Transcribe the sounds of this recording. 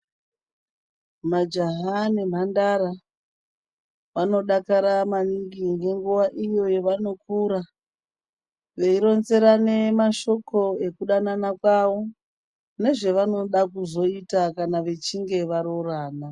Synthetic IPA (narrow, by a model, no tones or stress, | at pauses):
mad͡ʒaɦanem̤andaɾa | ʋano̞ɗakaɾamaniɡiŋɡe̞ŋɡuʋaʔijo̞jeʋano̞kuːɾa | ʋe̞iɾo̞nze̞ɾane̞maʃo̞ko̞e̞kuɗananakwaʋo | ne̞ʐe̞ʋano̞ɗakuzo̞itakanaʋe̞t͡ʃiŋɡe̞ʋaɾo̞raːna